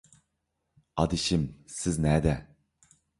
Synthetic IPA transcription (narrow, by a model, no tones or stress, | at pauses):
ɑd̪iʃimsɪznɛːd̪ɛ